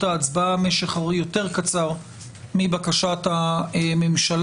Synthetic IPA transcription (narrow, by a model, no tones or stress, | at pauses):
taːt͡sbaameʃeχaʁjo̞te̞ʁkat͡saʁ | mibakaʃataememʃal